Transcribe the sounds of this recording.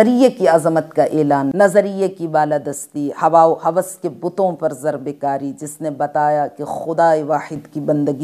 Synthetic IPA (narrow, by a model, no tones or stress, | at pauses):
ɾijakiɐzmət̪kaʔɛːlaːnːɐzəɾijakibaːlad̪ɐst̪ihɐʋaːohɐʋəskebʊt̪õpɐɾzɐɾbekaːɾid͡ʒɪsnebɐt̪aːjakexʊd̪aːeʋaːħɪd̪kibɐ̃nd̪əɡi